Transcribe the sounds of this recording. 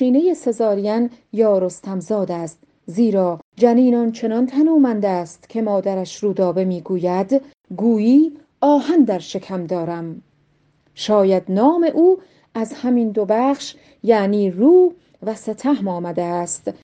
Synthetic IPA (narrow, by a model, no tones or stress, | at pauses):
iːne̞je̞se̞zɒːɾijænjɒːɾost̪ʰæmzɒːd̪æst̪ | ziːɾɒːd͡ʒæniːnɒnt͡ʃʰe̞nɒnt̪ʰænuːmænd̪æːst̪kʲʰe̞mɒːd̪æɾæʃɾuːd̪ɒːbe̞miːɡuːjæd̪ | ɡuːjiː | ɒːhænd̪æɾʃe̞kʰæmd̪ɒːɾæm | ʃɒːjæd̪nɒːme̞ʔuː | æzhæmind̪obæːχʃ | jæniːruː | væset̪ʰæhmɒːmæd̪eæst̪